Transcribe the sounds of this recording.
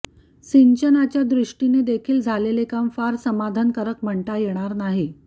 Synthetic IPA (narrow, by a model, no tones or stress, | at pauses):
siɲt͡ɕənat͡ɕjad̪ɾiʂʈined̪ekʰiːld͡zʱalelekamfaɾsəmad̪ʱankəɾəkm̤əɳʈajeɽ̃aɾnaɦi